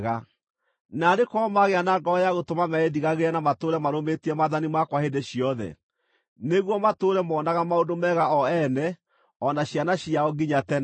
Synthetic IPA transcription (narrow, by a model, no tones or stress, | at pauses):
ɣa | nadekɔmaɣeanaŋɡɔjaɣotomamɛediɣaɣeɾɛnamatoːɾɛmaɾometiɛmaðanimakwahedeɕiɔðɛ̰ | neɣwɔmatoːɾɛmɔːnaɣamaondomɛɣaɔɛnɛ | ɔnaɕjanaɕiaɔɡiɲatɛn